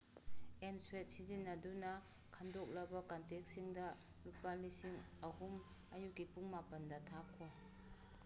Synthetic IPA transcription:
emswet̚sizinːɐdunɐ | kʰandok̚lɐbɐkantek̚siŋdɐ | lupalisiŋɐhum | ɐjukːipuŋmapɐndɐtʰakʰːoj

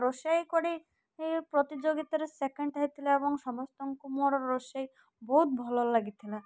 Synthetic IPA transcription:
ɾoʃajkoɽi | epɾot̪id͡ʑoɡit̪aɾesekeɳɖʈaɦit̪ʰilaeboŋʃɔmɔst̪ɔŋkumoɾɔɾːoʃaj | boɦut̪̚bʱɔlolaɡit̪ʰila

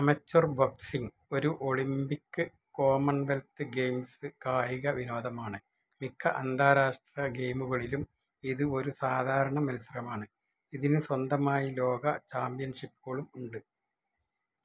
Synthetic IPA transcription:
ɐmɐt͡ɕːorboksiŋ | o̞ɾuʔo̞ɭimbikːɨ | ko̞ːmɐɳʋelt̪ɨɡe̞jmsɨkaːjiɣɐʋino̞ːd̪ɐmaːɳɨ | mikʰːɐʔɐnd̪ʱaːɾaːʂʈrɐɡe̞jmuɣɐɭilum | iðɨo̞ɾusaːd̪ʱaːɾɐɳɐmɐnusɐrɐmaːɳɨ | iðinɨswɐnd̪ɐmaːjilo̞ːɡɐt͡ɕaːmpijɐnʂipːuɣɐɭumuɳɖɨ

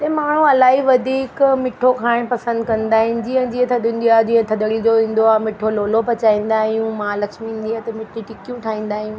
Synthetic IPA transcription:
t̪ɐːmaːɳ̤ũɐlaːɦiʋɐd̪ʱiːkmɪʈʰokʰaːɽ̃pɐsə̃nd̪kɐ̃nd̪aːɦɪnɪ̆d͡ʑiɦə̃nd͡ʑĩːẽt̪ʰɐɗĩːn̆d̪iaːd͡ʑĩɦə̃t̪ʰɐɗ̪əɽid͡ʑoʋĩːn̆d̪oaːmɪʈʰoloːlopɐt͡ɕaːĩːn̆d̪aːɦijũmãlɐkʃmĩːnd̪iaːt̪ɐmɪʈʰiʈɪkijũʈʰaːĩːn̆d̪aːɦijũː

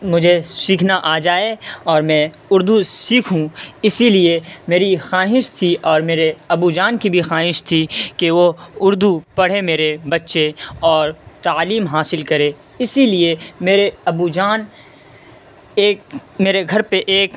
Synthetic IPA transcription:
mʊd͡ʒʱesiːkʰnaʔaːd͡ʒaːeɔːɾmɛ̃ | ʊɾd̪ʱusiːkʰɦũɪsiliemeːɾixaːɦɪʃt̪ʰiʔɔːɾmeːɾeɐbud͡ʒaːnkibʱixaːɦɪʃt̪ʰikeʋoʊɾd̪ʱupɐɽ̤emeːɾebɐtːʃeɔːɾt̪aːliːmɦaːsɪlkɐɾeː | ɪsiliemeːɾeɐbud͡ʒaːn | eːk̚meːɾeɡʱɐɾpeʔeːk

